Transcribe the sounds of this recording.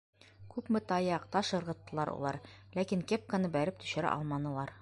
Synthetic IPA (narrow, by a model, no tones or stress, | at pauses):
kʉpmɘt̪ɑjɑqt̪ɑʃɤ̆ɾʁɤ̆t̪ːɤ̆lˠɑɾṵlˠɑ̰ɾlækiŋkep̚kanɤbæɾɘp̚t̪ɵ̥̆ɕɘ̆ɾæ̰ʔɒ̰lˠmɑnɤ̆lˠɑɾ